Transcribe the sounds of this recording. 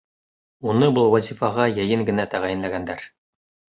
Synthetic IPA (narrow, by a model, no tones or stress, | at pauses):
unɤbɤlˠwɑzʲifɑʁɑjɘ̆jɘŋɡɘ̆næt̪æʁæjɘ̆nlæɡænd̪æɾ